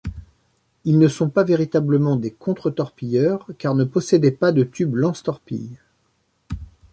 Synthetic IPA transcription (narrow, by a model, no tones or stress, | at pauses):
ilnəsɔ̃paveʁit̪abləmɑ̃d̪ekʰɔ̃t̪χət̪ɔʁpijœʁkaʁnəpɔsɛd̪ɛpad̪ət̪yblɑ̃st̪ɔʁpḭj